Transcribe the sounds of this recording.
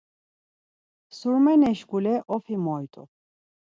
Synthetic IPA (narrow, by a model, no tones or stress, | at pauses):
suɾmɛnɛʃɡulɛʔɔfʰimɔit̪ʼṵ